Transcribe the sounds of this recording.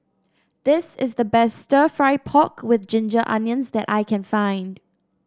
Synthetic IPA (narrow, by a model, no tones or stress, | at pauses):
ðɪsɪzðəbɛstːtəfɹaɪpʰɔkwɪðd͡ʒɪ̃nd͡ʒəʔã̰njə̃nzðɛtʔa̰ɪkʰɛ̃nfãɪ̃nd̥